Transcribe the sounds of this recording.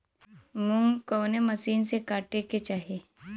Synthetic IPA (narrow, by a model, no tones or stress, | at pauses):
mʊŋkoːnemɐsiːnsekaːʈeket͡ʃaːɦeː